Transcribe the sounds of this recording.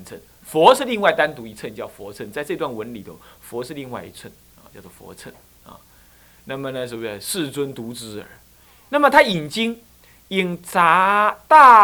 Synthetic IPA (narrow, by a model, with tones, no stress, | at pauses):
nt͡sʰə̰˥˩n | fwɔ˧˥ʂɻ̩˥˧li˥˧ŋwa˥˩ɪt̪a˥˦nt̪u˧˥i˧˥t͡sʰə˥˧nt͡ɕjɑ˥˩ʊfwɔ̰˧˥t͡sʰə˥˧nt͡sa˥˧ɪʈ͡ʂɤ˥˧t̪wa˥˩nwə˧˥nli˨˩ə̰˧˩fwɔ˧˥ʂɻ̩˥˧li˥˧ŋwa˥ɪḭ˧˥t͡sʰə˥˩n | a˨˩t͡ɕjɑ˥˧ʊt͡swɔ˥˩fwɔ̰˧˥t͡sʰə˥˩n | ɐ̰˨˩ | na˥˩mə˩nə˩ʂ̬ə˧˩bʂɻ̩˥˧t͡swə˥nt̪u˧˥t͡sɻ̩˧˥ə̰˨˧˦ | na˥˩mə˩t̪ʰa˥i˨˩nt͡ɕi˥ŋ | i˨˩ŋt͡sa˧˥t̪a˥˧